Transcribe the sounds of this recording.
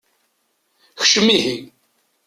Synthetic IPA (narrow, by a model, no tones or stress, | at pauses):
çʃəmːihi